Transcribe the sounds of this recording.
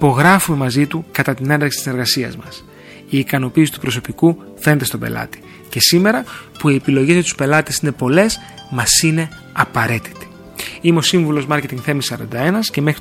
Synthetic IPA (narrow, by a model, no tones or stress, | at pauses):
ipo̞ɣɾɐfume̞mɐzit̪ukɐt̪ɐt̪ine̞nd̪ɾɐksi̥t̪isneɾɣɐsiɐ̰zmɐs | iːkɐno̞piːsi̥t̪u̥pɾo̞so̞piku | fe̞net̪est̪o̞be̞̰lɐ̰t̪i̥ | ce̞sime̞ɾɐpuie̞pilo̞ʝe̞zmet̪uspe̞lɐt̪esine̞po̞le̞s | mɐsine̞ | ɐpɐɾe̞t̪i̥t̪i̥ | imeo̞siɱvulo̞zmɐɾce̞t̪iŋɡθe̞misɐɾɐ̰nd̪ɐe̞nɐsce̞me̞xɾi